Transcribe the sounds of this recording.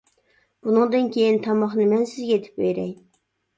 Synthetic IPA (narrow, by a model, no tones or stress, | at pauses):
b̥unɨŋd̪ɨnkʲʰejint̪ʰɑmɑχnɨmɛnsɪzɡʲɛet̪ʰɪ̥p̚bøjɾɛj